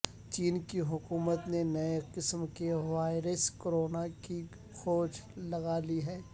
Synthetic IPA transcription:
t͡ʃiːnkiɦʊkuːmət̪nenɐeqɪsmkeʋaːɪɾəskoːɾoːnaki | xoːt͡ʃlɐɡaliɦɛː

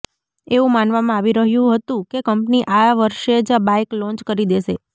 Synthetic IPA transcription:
eʋũmanʋamãaʋiɾəɦjũɦət̪ũkekəmpniʔaʋəɾʃed͡ʒabaiklɔ̃ɲt͡ʃkəɾid̪eʃe

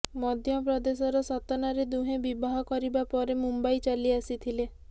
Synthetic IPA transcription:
mɔd̪ʱjɔpɾɔd̪esɔɾɔsɔt̪ɔnaɾed̪uɦẽbibaɦɔkɔɾibapɔɾemumbait͡ʃaliasit̪ʰile

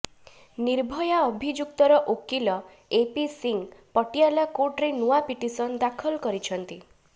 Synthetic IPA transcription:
niɾbʱɔjaɔbʱid͡ʒukt̪ɔɾɔʔokilɔ | episiŋpɔʈialakoʈɾenuapiʈisɔnd̪akʰɔlkɔɾit͡ʃʰɔnt̪i

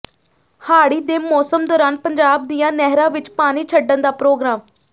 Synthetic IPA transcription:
haːɽiːd̪eːmɔːsəmd̪ɔːɾaːnpəɲd͡ʒaːb̚d̪ijãːnɛɦɾãːʋɪt͡ʃpaːñiːt͡ʃʰəɖənd̪aːpɾoːɡɾaːm

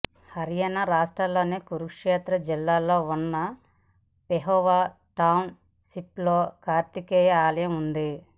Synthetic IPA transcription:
hɐɾijɐnɐɾaːʂʈɾɐlːo̞ːneːkuɾukʂɛːt̪ɾɐd͡ʒilːaːlo̞ːunːɐ | peɦɔːʋaː | ʈɐwn | siploːkaːɾt̪ikɛːjɐaːlɐjɐmund̪i

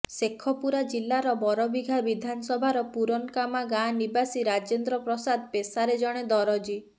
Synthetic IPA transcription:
sekʰːɔpuɾad͡ʒilːaɾɔbɔɾɔbiɡʱabid̪ʱanɔsɔbʱaɾɔpuɾɔnkamaɡãnibasiɾad͡ʒend̪ɾɔpɾɔsad̪̚pesaɾed͡ʒɔɽ̃ed̪ɔɾɔd͡ʒi

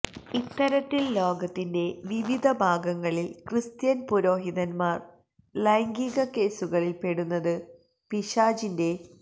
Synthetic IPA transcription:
it̪ːɐɾɐt̪ːillo̞ːɡɐt̪ːinde̞ʋiʋid̪ʱɐbʱaːɡɐŋːɐɭilkrɨst̪jɐnpuɾo̞ːɦiðɐnmaːr | lɐjŋɡiɣɐke̞ːsuɣɐɭilpe̞ɽunːɐðɨ | piɕaːd͡ʑinde̞

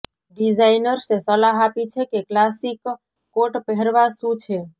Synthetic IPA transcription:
ɖid͡ʒaɪnəɾsesəlaɦapit͡ʃʰekeklasikː | oʈpəɦəɾʋasut͡ʃʰe

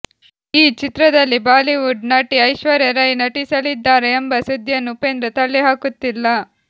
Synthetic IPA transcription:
iːt͡ʃit̪ɾɐd̪ɐlːibaːliʋuɖnaːʈiɐjʃʋɐɾjɐɾɐjnɐʈisɐlid̪ːaːɾɐjɐmbɐsud̪ʱjɐnːupeːnd̪ɾɐt̪ɐɭːiɦaːkut̪ːilːɐ

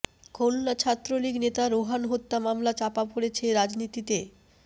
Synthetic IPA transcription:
kolnat͡ɕʰat̪ːɾoliɡnet̪aɾoɦanɦot̪ːamamlat͡ɕapapoɽet͡ɕʰeɾad͡ʑnit̪it̪e

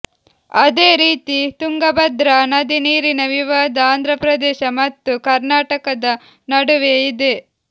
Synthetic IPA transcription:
ɐd̪eːɾiːt̪it̪uŋɡɐbɐd̪ɾɐnɐd̪iniːɾinɐʋiʋaːd̪ɐaːnd̪ʱɾɐpɾɐd̪eːʃɐmɐt̪ːukɐɾnaːʈɐkɐd̪ɐ | nɐɽuʋeid̪e̞

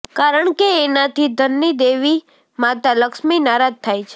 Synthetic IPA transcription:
kaɾəɳkeːnat̪ʰid̪ʱənːid̪eʋi | mat̪aləkʃminaɾad̪̚t̪ʰːajt͡ʃʰe̥

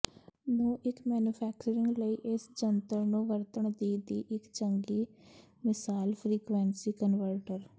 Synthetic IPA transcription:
nõːʔɪkmɛːnjupʰɛːk̚t͡ʃəɾɪ̃ŋɡləiːʔɪsd͡ʒənt̪əɾnũːʋəɾt̪əɳd̪iːd̪iːʔɪkt͡ʃəŋɡiː | mɪsaːlpʰɾiːkʋɛːɳsiːkənʋəɾʈəɾ

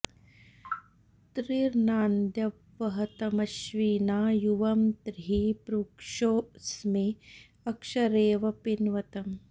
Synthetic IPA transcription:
t̪ɾiɾnaːnd̪jɐʋʋɐɦɐt̪ɐmɐʃʋiːnaːjuʋɐmt̪ɾiɦipɾuːkʂoːsmi | ɐkʂɐɾeːʋɐpinʋɐt̪ɐm

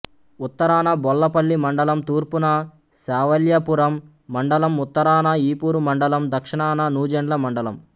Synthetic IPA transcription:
ut̪ːɐɾaːnɐbɔlːɐpɐɭːimɐɳɖɐlɐmt̪uːɾpunɐ | saːʋɐljɐpuɾɐmː | ɐɳɖɐlɐmut̪ːɐɾaːnɐiːpuːɾumɐɳɖɐlɐmd̪ɐkʂiɳaːnɐnuːd͡ʒɐɳlɐmɐɳɖɐlɐm

